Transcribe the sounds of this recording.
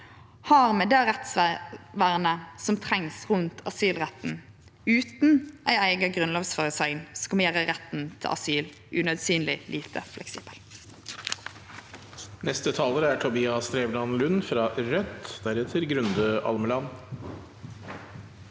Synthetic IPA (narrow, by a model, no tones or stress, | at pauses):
hɑːʁmɛd̪ɛːʁɛt̪sʋʋæːʁənəsɔmt̪ʰʁɛŋsʁʉnt̪ʰɑsyːlʁɛt̪n̩ | ʉːt̪n̩ʔæɪæɪɡəɡʁʉnlɑːɡsfɑːʁəsœɡnskɑmjæːʁəʁɛt̪n̩t̪ʰɪ̰ʔɑ̰syːl | ʔʉnœd̪syːnlɪlʔiːt̪ʰə̰flɛ̰ksḭːb̥əl | nɛst̪ət̪ʰɑːləɾəæʈʰʊbiːɑst̪ɾeːʋlɑnlʉnfɾɑɾœt̪ːd̪̥æɾɛt̪ʰɪlɡɾʉnd̪əʔɑ̰lməlɑn